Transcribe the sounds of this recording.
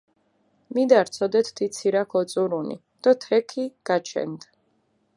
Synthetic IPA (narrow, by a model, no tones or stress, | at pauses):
mid̪aɾt̪sʰɔd̪ɛt̪ʰt̪it̪sʰiɾakʰɔt̪sʼuɾunḭ | d̪̥ɔt̪ʰɛkʰiɡ̥at͡ʃʰɛ̰nd̪